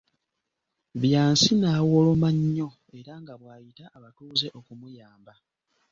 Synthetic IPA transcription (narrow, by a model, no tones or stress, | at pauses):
βjaːnsinaːwolomaɲːo̞ | e̞ɾaŋɡaβwaːjitaʔːβatuːze̞ʔo̞kumujaːmba